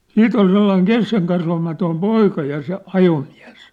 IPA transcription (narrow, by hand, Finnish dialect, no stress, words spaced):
siːt ol selːɑiŋ keskeŋkɑsʋɑmɑtoim poikɑ jɑ se ɑjomiæ̝s